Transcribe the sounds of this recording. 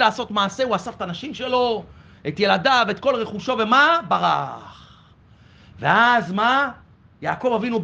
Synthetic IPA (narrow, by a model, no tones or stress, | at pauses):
laːso̞t̪maːse̞uasaft̪anaʃimʃe̞lo̞ | et̪je̞ladaveet̪̚ko̞lʁeχuʃo̞ve̞mabaʁa̰χ | veazma | jaːko̞vavinub